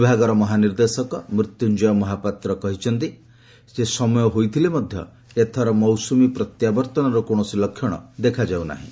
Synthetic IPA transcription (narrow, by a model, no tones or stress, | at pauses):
ibʱaɡɔɾɔmɔɦaniɾd̪esɔkɔmɾit̪jund͡ʒɔjɔmɔɦapat̪ɾɔkɔɦit͡ʃʰɔnt̪̬i | sesɔmɔjɔɦojt̪ʰilemɔd̪ʱjɔ̰ | et̪ʰaɾɔmɔwsumipɾɔt̪jabɔɾt̪ɔnɔɾɔkoɽ̃ɔsilɔkʰjɔɽ̃ɔ̰d̪ekʰad͡ʒawna̰ɦḭ̃